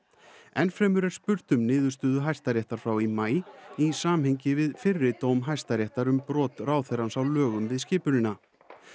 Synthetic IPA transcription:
ɛnfɾɛːmʏɾɛɾ̥spʏɾt̪ʏmnɪːðʏ̥st̪ʏːðʏɦaj̥st̪aɾjɛht̪aɾ̥fɾawimaːjisaːmhejɲcɪvɪðfɪrːɪt̪owmɦajst̪aɾjɛht̪aɾʏmpɾɔːt̪raːwθɛjɾansawlœːɣʏmvɪðscɪːpʏnɪnːa

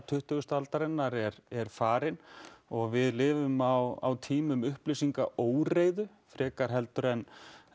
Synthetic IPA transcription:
t̪ʰʏht̪ʏɣʏst̪alt̪aɾɛnːaɾɛɾɛɾ̥faːɾɪnɔɣvɪðlɪːvʏmawa̰wt̪ʰiːmʏmʏhplɪsiŋkaʔoːwreːjðʏ | fɾɛːkaɾ̥ɦɛlt̪ʏɾɛn

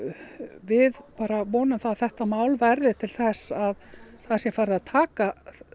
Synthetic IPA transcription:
vɪðpaːɾavɔːnʏmθaθɛht̪amaːwlvɛɾðɪt̪ʰɪlθɛsaðθasjɛfaːɾðɪaðt̪ʰaːka

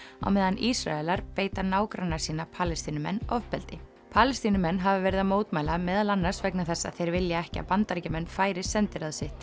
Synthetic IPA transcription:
a̰wmɛːðanʔisɾa̰ɛlaɾpeːjt̪aɾnaːwkɾanːaɾsiːnapʰaːlɛst̪inʏmɛ̰nːɔvpɛlt̪ɪ | pʰaːlɛst̪inʏmɛnːɦavavɛːɾɪðamoːwt̪maːjlamɛːðalanːaɾ̥svɛknaθɛsːa̰ðθejɾvɪljaɛhcɪa̰pant̪aɾcamɛnːfaːjɾɪsɛnt̪ɪɾaðsɪht̪

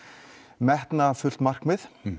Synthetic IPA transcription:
mɛht̪nafʏl̥t̪mar̥kmɪð

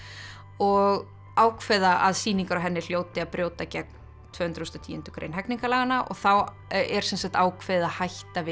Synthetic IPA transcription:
ɔɣ | aːwkʰvɛðaʔaðsiːniŋkaɾawɦɛnːɪl̥joːwt̪ɪaðpɾjoːwt̪acɛk̚n̥ | t̪ʰvœːhʏnɾʏɔst̪ɔt̪ʰiːʏnt̪ʏ̥kɾḛjnɦɛjkniŋkalaːɣanːaʔɔ̰ɣθaw | ɛɾ̥sɛnsaht̪aːwkʰvɛðɪðahajht̪avɪ

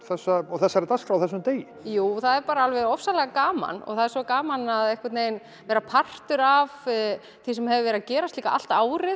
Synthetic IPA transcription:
θɛsːaɔɣθɛsːaɛɾt̪askfɾawθɛs̬ːʏmt̪eːjɪjuːθaðɛɾpaːɾaalvɛɾɔfsalɛɣakaːma̰nɔ̰ɣθaðɛɾ̥sɔkaːmanaðɛhkat̪nejn | vɛːɾapʰar̥t̪ʏɾav | θisɛmhɛvɪvɛɾðcɛːɾast̪likaʔa̰l̥t̪aːwɾɪ

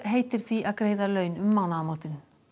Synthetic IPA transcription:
ɦejt̪ɪɾθiʔakɾejðalœɥnʏmːaɣnamoːt̪ɪn

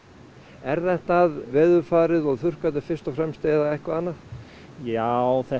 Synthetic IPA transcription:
ɛɾθɛht̪aðvɛːðʏɾfaːɾɪðɔɣθʏr̥kat̪̬ɪfɪr̥st̪ɔfɾɛmst̪eːðaɛhkvaanːa | jawθɛ

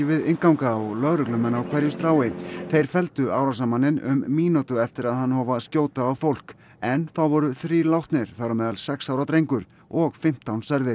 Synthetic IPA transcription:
vɪðɪnkawŋkaːɣlœɣɾʏklʏmɛnawkʰvɛɾjʏst̪ɾaːwɪθejɾ̥fɛlt̪ʏaːwɾas̬amanːɪnʏ̰mːiːnut̪ʏɛft̪ɪɾaðhanːhɔːvascoːwt̪aːwfowl̥k | ɛnθawvɔɾʏθɾiːlawht̪nɪɾ̥θawɾamɛːðalsɛksaːwɾat̪ɾejŋkʏɾ̥ | ɔɣfɪm̥t̪ʰːawnsɛɾðɪɾ̥

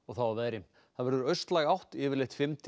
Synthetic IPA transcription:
ɔɣθaavɛːɾɪm | θaðvɛɾðʏɾœɥst̪laɣawht̪ɪːvɪɾlejht̪fɪmt̪ʰ

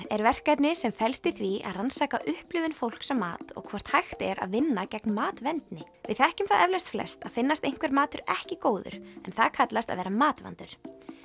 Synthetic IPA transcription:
ɛɾvɛr̥kajpnɪsɛmfɛlst̪ɪθvia̰ðransaːkaʔʏhplʏːvɪnfowl̥ksɛmːa̰ːt̪ɔ̰ɣkʰvɔr̥t̪hajxt̪ɛɾa̰ðvɪnːacɛknmaːt̪vɛnt̪nɪ | vɪðθɛhcʏmθaðʔɛvlajst̪flɛ̰st̪aðfɪnːast̪ejŋ̥kvɛɾmaːt̪ʏɾɛhcɪkoːwðʏ̰ɾ̥ɛ̰nθaðkʰat̪last̪a̰ðvɛːɾamaːt̪va̰nt̪ʏɾ̥

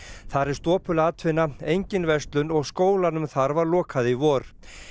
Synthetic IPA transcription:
θaɾɛɾ̥st̪ɔːpʏlaːt̪ʰvɪnːaejɲcɪnvɛst̪lʏnɔɣskoːwlanʏmθaɾvaɾlɔːkʰaðɪivɔːɾ̥

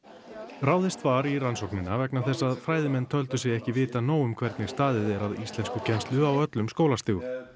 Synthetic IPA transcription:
raːwðɪst̪vaɾiransɔwknɪnːavɛknaθɛsːaðfɾaːjðɪmɛnt̪ʰœlt̪ʏs̬jɛɣɛhcɪvɪːt̪anoːwʏmkʰvɛɾt̪nɪɣ̥st̪aːðɪðɛɾaðist̪lɛnskʏcʰɛnst̪lʏawœt̪lʏmskoːwlast̪ɪːɣʏ

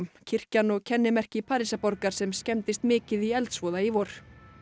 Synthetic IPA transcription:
mcʰɪr̥canɔɣcʰɛnːɪmɛr̥cɪpʰaːɾisapɔɾkaɾ̥sɛmscɛmt̪ɪst̪mɪːcɪðiɛlt̪svɔːðaivɔɾ̥

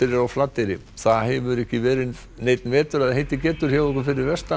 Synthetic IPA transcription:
ɪɾɪɾawflaːt̪ɪɾɪ | θaðhɛvʏɾɛhcɪvɛːɾɪn | neːjt̪nvɛːt̪ʏɾaðhejt̪ɪcɛːt̪ʏɾ̥çaːɔkʏfɪɾɪɾvɛst̪a

